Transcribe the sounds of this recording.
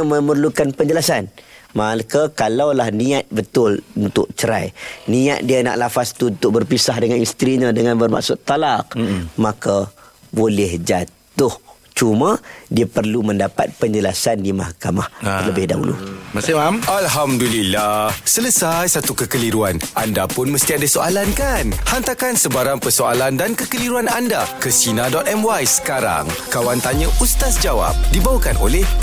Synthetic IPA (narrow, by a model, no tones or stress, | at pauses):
məmərlukanpəɲd͡ʒəlasanmaləkəkalawlahniat̪̚bət̪ʊlunt̪ʊ̰ʔ̚t͡ʃəɾa̰jnia̰t̪̚diana̰ʔlafast̪unt̪ʊʔ̚bərpisaɦdəŋanist̪ɾiɲə̃dəŋanbərma̰ʔsʊt̪ːalaqmaka | bolɪhd͡ʒat̪ʊh | t͡ʃumãdiapərlumə̃ndapa̰t̪̚pəɲd͡ʒəlasandima̰hkamaht̪ələbɪhda̰ɦṵlṵ | alɦamdulilahsələsajsat̪ukəkəliɾuanʔandapʊnməst̪iadəsoalankanhant̪akansəbaɾaŋpərsoalandankəkəliɾuanandakəsinadɔt̪ɛmwajsə̥kaɾa̰ŋkawant̪aɲə̃ʔust̪asd͡ʒawa̰p̚dibawakanʔo̰lɛh